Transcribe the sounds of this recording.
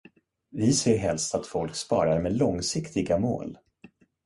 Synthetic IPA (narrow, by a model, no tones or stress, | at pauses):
vɪseːɾɦɛlst̪at̪fɔlkspɑ̰ːɾaɾmeːlɔŋsɪkt̪ɪɡamo̰ːl